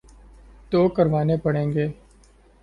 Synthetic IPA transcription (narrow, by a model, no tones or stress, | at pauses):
t̪oːkəɾʋaːneːpəɽẽːŋɡeː